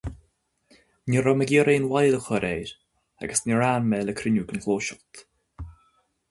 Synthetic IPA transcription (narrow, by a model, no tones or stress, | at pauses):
nɪɾɔməɡʲiːəɾeːnwajləxɔɾeːɾ | a̰ɡəsnɪɹaːnmeːləkʰɾɪnuːɡənkʰloːʃɔt̪